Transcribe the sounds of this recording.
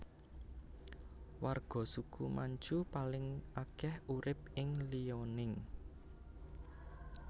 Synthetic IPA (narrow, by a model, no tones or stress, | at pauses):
warɡ̥ɔ̤sukumaɲd͡ʒupalɪŋʔakɛhuɾɪp̚ɪŋlionɪŋ